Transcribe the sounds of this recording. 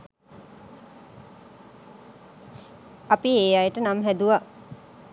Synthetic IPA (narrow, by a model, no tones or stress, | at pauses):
apieːjajeʈənamɦæd̪uʋa